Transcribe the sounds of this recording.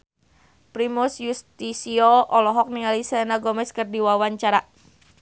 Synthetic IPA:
pɾimusjust̪isiɔʔɔlɔɦɔk̚niŋalisɛnaɡɔmɛskərdiwawaɲt͡ʃaɾa

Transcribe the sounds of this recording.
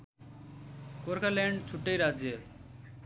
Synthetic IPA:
koɾkʰalɛɳɖt͡ʃʰuʈːejɾad͡ʑe

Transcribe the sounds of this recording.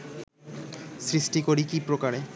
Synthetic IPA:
sɾisʈikoɾikipɾokaɾe

